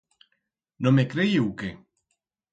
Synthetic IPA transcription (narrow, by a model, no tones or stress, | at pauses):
nomekɾejiwke